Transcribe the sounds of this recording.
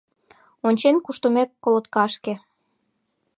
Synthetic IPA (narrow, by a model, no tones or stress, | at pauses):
onʲt͡ɕenkuʃt̪umekːolot̪kɑʃke